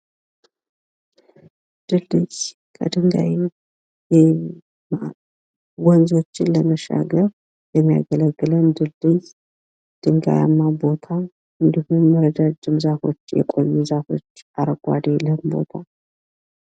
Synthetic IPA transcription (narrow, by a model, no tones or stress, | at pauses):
d̪̥ɨld̪ɨz | kʰə̰d̪ɨŋɡa̰j | jɛ | ma | wɔnzo̞t͡ʃːɪnləməʃa̰ɡəɾ | jɛmːija̰ɡələɡːɨləmd̪ɨld̪ɨz | d̪̥ɨŋɡa̰ja̰mːabo̞t̪ʰa | ɨnd̪ihunməɾəd̪ad͡ʒːɪmzafo̞̰t͡ʃːjɛ̰kʼo̞̰jːuzafo̞̰t͡ʃːaɾəɡʼʷa̰d̪eləhɨmbo̞̰t̪ʰa